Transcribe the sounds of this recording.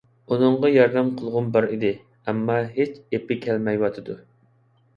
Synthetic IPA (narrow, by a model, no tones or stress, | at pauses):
unɨɴʁɑjɑɾd̪ɛmqʰəlˠʁʊnbɑɾid̪ɪ | ɛmːɑɦet͡ʃepːɪkʲʰɛlmɛjwɑt̪ʰɨd̪u